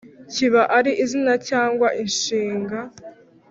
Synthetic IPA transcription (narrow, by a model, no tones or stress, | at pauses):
ciβaʔaɾiʔizinacaːŋɡwaʔinʃiːŋɡa